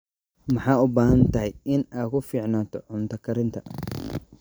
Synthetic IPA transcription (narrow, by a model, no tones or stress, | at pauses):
mɐħaːʊbaːhɐnt̪ɐɦɛjɪnaːkʊfiːʕnant̪ɔʕʊnt̪ɐkːɐɾɪnt̪ɐ